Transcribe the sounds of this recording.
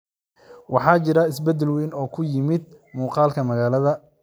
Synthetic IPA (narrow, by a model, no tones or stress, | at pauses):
wɑħɑːt͡ʃɪɾɐɪsbɛd̪ːɛlwɛjnɔːkʰʊjɪmɪd̪̚ | muːqɑːlkʰɐmɐɣaːlɐðɐ